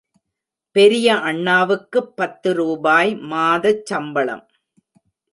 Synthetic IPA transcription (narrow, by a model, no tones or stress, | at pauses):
pɛɾɪjɐʔɐɳːaːʋɯkːɯpːɐt̪ːɯɾuːbaːjmaːðɐt͡ʃːɐmbɐɭɐ̰m